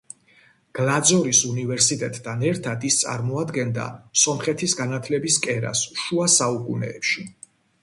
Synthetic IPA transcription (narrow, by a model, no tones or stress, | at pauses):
ɡ̥lˠad̪zɔɾisunivɛɾsit̪ʼɛt̪ʼːʰanɛɾt̪ʰad̪ist̪sʼa̰ɾmɔad̪ɡɛnd̪a̰sɔmχɛt̪ʰisɡanat̪ʰlɛbiskʼɛɾa̰sʃuasaukʼṵnɛ̰ːpʃi